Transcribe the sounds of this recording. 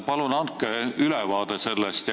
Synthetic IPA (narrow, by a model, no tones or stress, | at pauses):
pɑlunɑnkːˑeylɛvɑːd̪̥ese̞lːest̪j